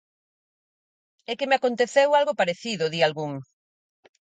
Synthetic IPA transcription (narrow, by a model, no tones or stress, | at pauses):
ɛkɪmeakont̪eθewalɣopaɾeθiðʊðialɣuŋ